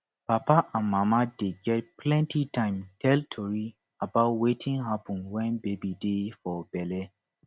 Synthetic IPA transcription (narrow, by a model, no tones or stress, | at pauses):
papaʔãnmamadeɡɛt̚plɛ̃ntitãɪ̃mtʰɛltʰoɹi | abaʊtwetʰĩŋɦapɔ̃nwɛ̃nbebidefɔbɛlɛ